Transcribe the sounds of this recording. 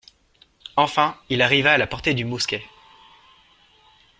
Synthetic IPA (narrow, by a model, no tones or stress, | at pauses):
ɑ̃fɛ̃ilaʁivaːlapɔʁt̪ed̪ymuskʲɛ